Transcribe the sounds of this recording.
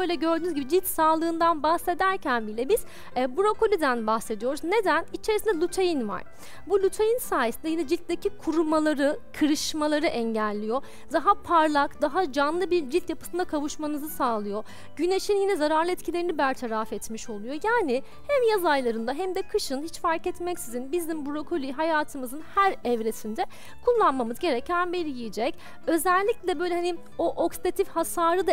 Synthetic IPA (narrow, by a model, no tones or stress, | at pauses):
bøjlʲɛɟø̞ɾd̪ynzɟibid͡ʒilʲt̪saːlˠɯːnd̪anbahse̞d̪æɾcʰænbilʲɛbiz̥ | buɾo̞kolʲid̪ænbaxse̞d̪ijo̞ɾuzne̞d̪ænit͡ʃʰe̞ɾisind̪ɛlʲˠut̪ʰejinva̰ɾ̥ | bulʲut̪ʰejinsaːjesind̪ɛjinɛd͡ʒilʲt̪̚d̪ecikʰuɾumalˠaɾɯkʰɯɾɯʃmalˠaɾɯʔɛɲɟælʲːijo̞ | zaɦapʰaɾlˠakd̪aɦad͡ʒanlˠɯbiɾd͡ʒilʲt̪japɯ̥ɯnd̪akʰavuʃmanɯzɯsaːlˠɯjo̞ | ɟ̥yneʃinjinɛzaɾaɾlˠɯɛt̪cʰilʲe̞ɾinibæɾt̪ʰaɾafɛt̪miʃo̞lˠujo̞jaːnɪ | hɛmjazajlˠaɾɯnd̪aɦɛmd̪ɛkʰɯʃɯnhit͡ʃfaɾkɛt̪mɛcsizinbizimbuɾo̞kʰo̞lʲiɦajaːt̪ʰɯmɯzɯnhæɾɛvɾesind̪ɛ | kʰulˠːanmamɯzɟe̞ɾɛcʰænbeɾijijid͡ʒɛc | ø̞zælʲːiclʲɛbø̞jlʲɛɦani | oʔoksi̥t̪ʰat̪ʰifhasaːɾɯd̪a